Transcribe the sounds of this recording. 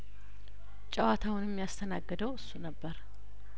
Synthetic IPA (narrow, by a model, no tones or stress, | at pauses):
t͡ʃʼəwat̪ʰawʊnɛmːjast̪ʰənaɡːɨd̪əwʔɨsːunəbːəɾ